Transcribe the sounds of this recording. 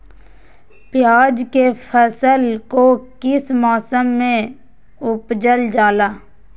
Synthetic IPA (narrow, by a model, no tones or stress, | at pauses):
pɪjaːd͡ʒkepʰəsəlkokɪsmaːsəmːẽ | ʊpd͡ʒəld͡ʒaːlaː